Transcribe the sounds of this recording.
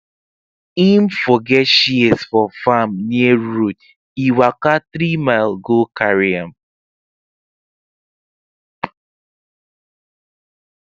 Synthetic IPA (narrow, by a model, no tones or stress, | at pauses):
im̩fɔɡɛtʃiesfɔfamnieɹut | iwakatɾimaɪlɡokaɹiam